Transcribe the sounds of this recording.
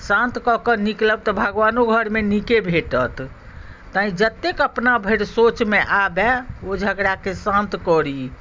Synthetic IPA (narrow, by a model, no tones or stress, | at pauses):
sãnt̪kɔkənikləb̚t̪ɔbʱəɡʋanoɡʱəɾmenikebʱeʈət̪ː | aĩd͡ʒət̪ːekəpnabʱəɾsot͡ʃmeʔabɛod͡ʒʱəɡɾakesãnt̪kɔɾi